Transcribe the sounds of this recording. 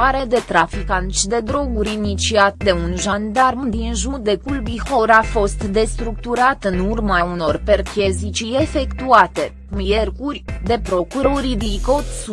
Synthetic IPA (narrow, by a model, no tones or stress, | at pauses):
aɾe̞d̪e̞t̪ɾafikant̪sʲd̪e̞d̪ɾo̞ɡuɾʲinit͡ʃiat̪̚d̪e̞unʒand̪armud̪inʒud̪e̞kulbiho̞ɾafo̞st̪d̪e̞st̪ɾuk̚t̪uɾat̪ɨnurmauno̞rpe̞rkʲe̞zit͡ʃije̞fe̞kt̪uat̪e̞kumje̞rkurʲd̪e̞pɾo̞kuɾoɾid̪iko̞t̪s